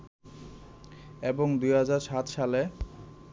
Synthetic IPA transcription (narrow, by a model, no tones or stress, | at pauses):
eboŋd̪ujɦad͡ʑaɾʃat̪ʃale